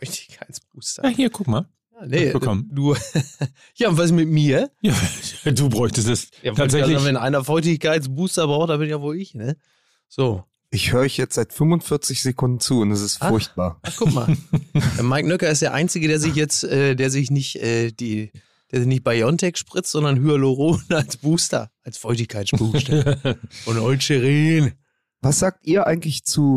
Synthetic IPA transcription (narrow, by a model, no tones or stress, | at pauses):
fʁɔʏçtɪ̥çkʰaɪsb̥̚uːstɐjaːhiːɐkʰʊkmaːl | jaːnəɔmnuːɐ | jaːʊntvas̬mɪtmiːɐjaːduːbʁɔʏçtəstɛsjaːvaːzɛaavɛnʔa̰ɪnɐfʁɔʏçtɪçkaɪt͡sb̥uːstɐbʁaʊxtd̥abɪnjavoːlɪçnə | z̥oː | ʔɪçhøːʁəɪçjɛt͡stz̥aɪtfʏmvʊnfɪɐt͡sɪçz̥ekʰʊndn̩t͡suːʊntɛsɪstfaʊɐçt̚b̥aːɐʔakʰʊma̰ːldɛɐmaɪknœkɐɪs̬td̥eːɐʔa̰ɪnt͡sɪɡədeːɐzɪçjɛt͡stʔɛːdeːɐzɪçnɪçtʔɛːd̥iː | d̥eːɐzɪçnɪçt̚b̥ajɔntʰɛkʃpʁ̥ɪt͡stz̥ɔndɐnhyːɐloʁoːnalsb̥uːstɐ̰ʔalsfɔʏçtɪçkʰaɪsb̥uːstɐʔʊntʔɔʏt͡ʃəʁeːn | vasz̥aːk̚tʔiːɐʔaɪɡŋ̩tlɪçt͡suː